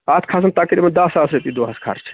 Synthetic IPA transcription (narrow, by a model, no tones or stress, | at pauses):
at̪ʰkʰas̬ənt̪akɾibənd̪ɐsːasɾep̪id̪oɦaskʰa̰ɾt͡ʃʰ